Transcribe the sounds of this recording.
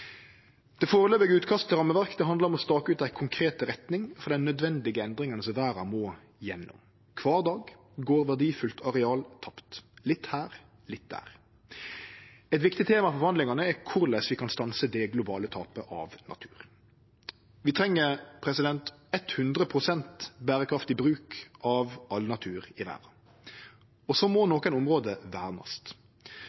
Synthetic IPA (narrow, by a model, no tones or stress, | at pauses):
d̪̥ɛfoːʁəløːbɪɡəʉːt̪kʰɑst̪t̪ɪʁɑmːəʋæʁkəd̪ɛɦɑnd̪əʁɔmɔst̪ɑːkəʉːt̪æɪkʰʊŋkʰɾeːt̪ʁɛt̪nɪŋfɔʁd̪ɛnnœd̪ʋɛnd̪ɪɡəɛnd̪ʁɪŋɑnəsɔʋæːɾɑmoː | jɛnːʊ̰m | kʰʋɑːʁd̪ɑːɡ | ɡoːʁʋæʁɖiːfʉlt̪ʰɑʁɛɑːlt̪ʰɑpt̪lɪt̪ːhæːʁ | lɪt̪̚d̪æ̰ːʁ | ɛt̪ʋɪkt̪ɪt̪ʰeːmɑfɔfɔhɑnd̪lɪŋɑnəɛkʰʊʁlɛsʋɪkʰɑnst̪ɑnsəd̪ɛɡlʊbɑːlət̪ʰɑːpəʔɑ̰ʋnʔɑ̰t̪ʰʉːʁ | ʋɪt̪ʰʁɛŋːəʁpʰʁɛsɪd̪ɛnt̪ɛt̪hʉnd̪ʁəpʰʁʊsɛnt̪bæːʁəkʰɾɑft̪ɪbʁʉːkʔɑʋɑlnɑt̪ʰʉːʁɪʋæ̰ːʁɑ | ɔsɔmɔnoːkənʊmʁoːd̪əʋæːʁnɑ̰st̪